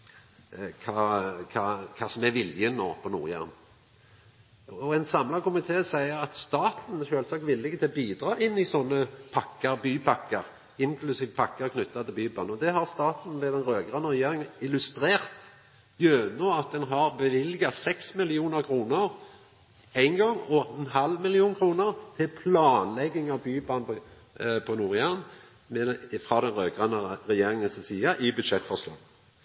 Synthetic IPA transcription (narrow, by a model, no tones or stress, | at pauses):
kʰɑːkʰɑkʰɑsɔmɛʋɪljəno̰ːpʰɔnṵːʁjæ̰ʁn | ɔɛnsɑmlɑkʊmɪt̪ʰeːsæɪəɾɑt̪st̪ɑːt̪n̩ʃøːlsɑk̚t̪ʋɪlːɪɡət̪ʰɪlɔbiːd̪ɾɑːʔɪnːɪsɔnːəpʰɑkːəɾbyːpʰɑkːəɾ | ɪŋkʰlʉsiːʋəpʰɑkːəkʰnʏt̪ːɑt̪ʰɪlbyːbɑnɔd̪ɛɦɑʁst̪ɑːt̪n̩ʋɛd̪ɛnɾøːɡəʁənəɾɛjeːʁɪŋənɪlʉst̪ɾeːʁt̪ | jøːnɔɑt̪̚d̪ɛnɦɑʁbɛʋɪlɡɑsɛksmɪlɪuːnəʁkʰʁuːnəʁ | æɪnɡɔŋːɔɛnhɑlmɪlɪuːnkʰɾuːnəʁt̪ʰɪlpʰlɑːnlɛɡːɪŋɑʋbyːbɑnp | pʰɔnuːʁjæʁn | mɛfʁɑd̪ɛnʁøːɡʁɑnːəʁɛjeːʁɪŋənssiːəʔɪbʉd̪ʃɛt̪ːfɔʁslɑ̰ːɡ